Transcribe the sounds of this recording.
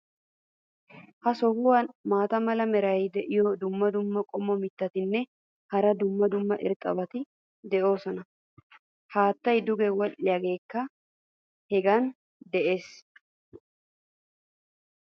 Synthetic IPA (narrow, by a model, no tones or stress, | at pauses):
hɐsɔhʊwɐnmaːt̪ɐmɐlɐmɛɾɐjd̪ɛʔɪjɔd̪ʊmːɐd̪ʊmːɐkʼɔmːɔmɪt̪ːɐt̪ɪnːɛ | hɐɾɐd̪ʊmːɐd̪ʊmːɐʔɪ̰ɾt̪ʼːɐ̰bɐt̪ɪ | d̪ɛʔo̞ːsɔnɐ | haːt̪ːɐjd̪ʊɡɛwɔlːɪjɐɡe̞ːkːɐ | hɛɡɐn | d̪ɛʔe̞ːs